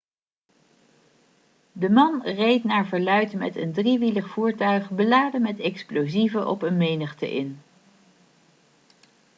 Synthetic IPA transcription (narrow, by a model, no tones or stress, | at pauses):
dəmɑnrejtnaːɹvəɹlœɥtmɛ̰təndriʋiləχfuːɹtœɥχbəlaːdəmɛtɛksplozivəʔɔ̰pənmejnəχtə̰ʔɪ̰n